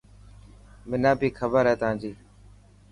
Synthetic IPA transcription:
mɪnãːbiːkʰəbəɾɦɛːt̪ãːd͡ʒiː

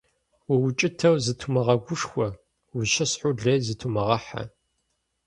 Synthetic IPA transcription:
wɐwʊt͡ʃʼɪtʰɐwzɨtʰumɐʁɐɡʷʊʂxʷɔ | wʊʃɐsħʊɮɐjzɨtʰumɐʁɐħa̰

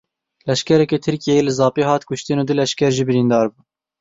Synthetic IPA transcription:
lɛʃkɛɾɛkɛt̪ʰɨɾkijɛjelɨzɑːpiːɦɑːt̪kʊʃt̪ɨnuːd̪ɨlɛʃkʲɛɾʒiːbɨɾiːnd̪ɑːɾbuː

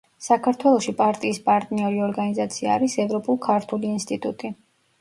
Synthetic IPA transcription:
sakʰaɾt̪ʰwɛlˠɔʃipʼaɾt̪ʼiːspʼaɾt̪ʼniɔɾiɔɾɡanizat̪sʰia̰ːɾisɛvɾɔpʼulˠkʰaɾt̪ʰuliːnst̪ʼit̪ʼut̪ʼi

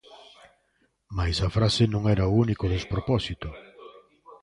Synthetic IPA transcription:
majsɐfɾasɪnõŋɛɾɐʊunikʊðespɾopɔsit̪ʊ

